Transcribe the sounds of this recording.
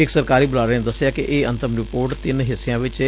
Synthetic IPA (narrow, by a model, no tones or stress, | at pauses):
ɪksəɾkaːɾiːbʊlaːɾəned̪əsɪjaːkɪʔeːə̃nt̪əmɾɪpoːɾʈt̪ɪnɦɪsːjãːʋɪt͡ʃ